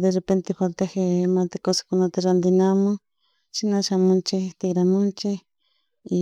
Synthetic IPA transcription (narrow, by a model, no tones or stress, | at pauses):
d̪erepent̪eɸalt̪axemat̪akose̥kʊnat̪aɾand̪ɪnamʊ | ʃinaʃamʊnt͡ʃɪt̪ɪɡɾamʊnt͡ʃɪ